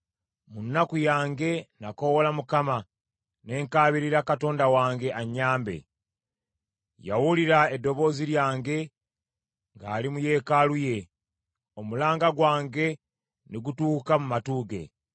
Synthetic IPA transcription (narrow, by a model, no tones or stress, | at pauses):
munːakujaːŋɡe̞nako̞wolamukama | ne̞ːŋkaːβiɾiɾakato̞ːndawaːŋɡe̞ʔaɲːaːmbe̞̰ | ja̰wuliɾae̞dːo̞βo̞ːziɾjaːŋɡe̞ | ŋɡaːlimuje̞ːkaluje̞ | omulaːŋɡaɡwaːŋɡe̞ | neɡutuːkamumatuːɡe̞̰